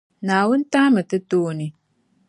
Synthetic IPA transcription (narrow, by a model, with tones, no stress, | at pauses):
naː˨wʊ˦n˦ta˦mɨ˨tɨ˦toː˦ni˨